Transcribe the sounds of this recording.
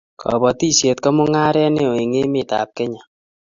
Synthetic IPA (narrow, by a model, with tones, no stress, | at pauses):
kʰɔ̰˨bɔ˨ti˦sje˨t̚kɔ˦mʊ˦ŋa˦ɾɛ˦ne˦o˨e˨ŋe˦mɪ˨ta̰˨p̚kɛ˦ɲa˨